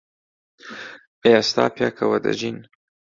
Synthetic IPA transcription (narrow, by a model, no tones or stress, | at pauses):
east̪a̰ːpjakʰawad̪a̰d͡ʒin